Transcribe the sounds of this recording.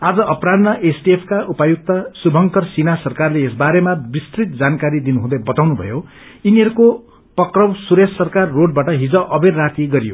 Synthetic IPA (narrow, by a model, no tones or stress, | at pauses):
ad͡zʌʔʌprad̪nʌʔesʈiepʰkaʔupajuk̚t̪ʌsubʱʌŋkʌrsinasʌrkarleesbaɾemabist̪rit̪̚d͡zankaɾid̪inuɦũd̪ʌjbʌt̪awnubʱʌ̰jo | iniɦʌɾuko | pʌkrʌwsuɾesːʌrkarːoɖ̚baʈʌɦid͡zʌʔʌberːat̪iɡʌɾijo̰